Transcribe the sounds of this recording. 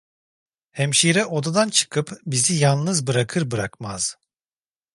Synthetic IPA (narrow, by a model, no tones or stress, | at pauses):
hɛmʃiɾɛʔo̞d̪ad̪ant͡ʃʰɯ̥kʰɯpbizijalˠnɯzbɯɾakʰɯɾbɯɾakmaz̥